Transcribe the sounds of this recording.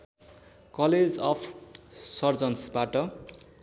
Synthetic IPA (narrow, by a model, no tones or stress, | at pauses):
kʌled͡zʌpʰsʌrd͡zʌnsbaʈʌ